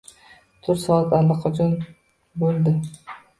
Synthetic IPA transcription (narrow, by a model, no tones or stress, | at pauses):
t̪ʰʊɾt̪sɒat̪ʰalːɑqʰɒd͡ʒɒn | bolˠd̪ɪ